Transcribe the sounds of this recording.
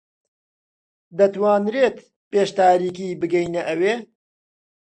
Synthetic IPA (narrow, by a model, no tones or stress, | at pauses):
d̪ɐt̪waːnɾeːt̪ | peːʃt̪aːɾiːkiːbɨɡɛjnɐʔɐweː